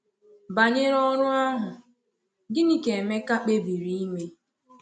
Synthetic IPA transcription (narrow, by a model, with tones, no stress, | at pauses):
ba˨ɲɪ˦ɾɔ˦ɾʊ˦a˦ɦʊ˨ | ɡɪ˦ni˦ke˨e˨me˦ka˦k͡pe˦bi˨ɾi˨i˦ŋʷe˦